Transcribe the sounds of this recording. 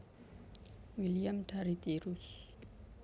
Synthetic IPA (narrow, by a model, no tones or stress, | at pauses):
wiliamdaɾit̪iɾus